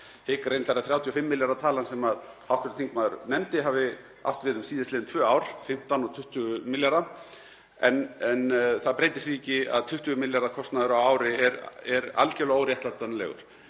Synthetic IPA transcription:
hɪːkaɾejnt̪aɾaθɾaːwt̪ʰiɔfɪmːɪljaɾðat̪ʰaːlansɛmaðhawhkvɛɾt̪ʰiŋkmaːðʏɾnɛmt̪ɪɦaːvɪ | a̰ft̪vɪːðʏmsiːðɪslɪːɪnt̪ʰvœːawɾ̥fɪm̥t̪anɔt̪ʰʏht̪ʏɣʏmɪljaɾða | ɛnɛnθaðpɾejt̪ɪ̥sviːcɪa̰ðt̪ʰʏht̪ʏɣʏmɪljaɾðakʰɔst̪naðʏɾawaːwɾɪɛɾɛɾa̰lcɛlowɾjɛht̪lat̪anlɛ̰ɣʏ̰ɾ̥

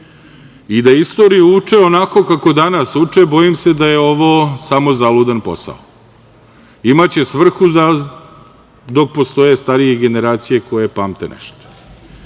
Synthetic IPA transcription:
id̪aist̪o̞ɾijuut͡ʂeo̞nako̞kako̞d̪anasut͡ʂe̞bo̞jimse̞d̪aje̞o̞ʋosamo̞zalˠud̪anpo̞̰sa̰o | imat͡ɕe̞sʋr̩xud̪a | d̪o̞k̚post̪o̞je̞st̪aɾije̞ɡe̞ne̞ɾaːt̪sije̞ko̞je̞paːmt̪e̞nɛ̰ʃt̪o̥

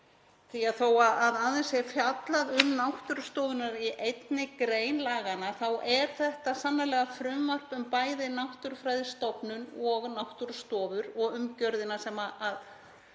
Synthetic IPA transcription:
θiaθowaaðaðɪnsjɛfjat̪laðʏmnawht̪ʏɾst̪ɔːvʏnaɾiʔejt̪nɪkɾeːjnlaːɣanaθawʔɛɾ̥θɛht̪asanːalɛːɣafɾʏmvar̥pʏmpaːjðɪnawht̪ʏɾ̥fɾajðɪst̪opnʏnɔɣnawht̪ʏɾ̥st̪ɔːvʏɾɔɣʏmcœɾðɪnasɛːmaað

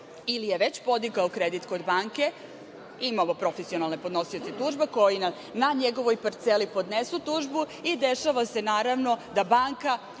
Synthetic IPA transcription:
ilijeʋe̞t͡ɕpo̞d̪iɡaokɾed̪it̪ko̞d̪baːŋke̞ | imamo̞pɾo̞fesio̞nalnepo̞d̪no̞sio̞t̪et̪uːʒbeko̞jina | naɲeɡo̞ʋo̞jpaɾt̪selipo̞d̪nesut̪uːʒbuid̪e̞ʃaʋase̞naːɾaʋno̞d̪abaŋka

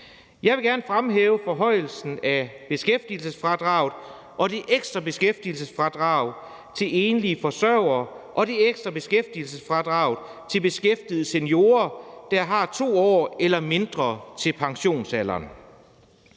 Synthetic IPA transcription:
jɑ̈ɪʋe̝ɡ̥æɐnəfʁamɦeːʊəfɒ̽ɦɒ̽ɪ̰l̩sn̩æb̥e̝sɡ̥efd̥il̩səsfʁɑ̈d̥ʁɑ̈ʊð̩ˠ | ʔɒ̽d̥iʔeɡ̥sd̥ʁɐb̥e̝sɡ̥efd̥il̩səsfʁɑ̈d̥ʁɑ̈ʊ | t͡sʰe̝le̝ːnliəfɒ̽sɶʊɐːʔɒ̽d̥ieɡ̥sd̥ʁɐb̥e̝sɡ̥efd̥il̩səsfʁɑ̈d̥ʁɑ̈ʊð̩ˠt͡sʰe̝lb̥e̝sɡ̥efd̥ið̞̩ˠəsenjo̝ːɐd̥ɑɦɑ̈t͡sʰo̝̰ːɒ̰ːelɐme̝nd̥ʁɐt͡sʰe̝lpʰɑ̈ŋɕo̝̰ːnsælɐ̰ːn

